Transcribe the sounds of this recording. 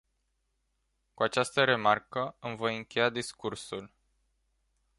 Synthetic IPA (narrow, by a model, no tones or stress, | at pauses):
kuat͡ʃast̪əɾe̞markəɨmvojɨŋkʲe̞jad̪iskursul